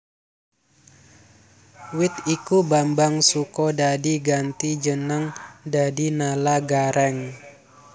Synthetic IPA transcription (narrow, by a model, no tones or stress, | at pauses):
wɪt̪ikubambaŋsukɔdadiɡant̪id͡ʒənəŋdadinalaɡaɾɛŋ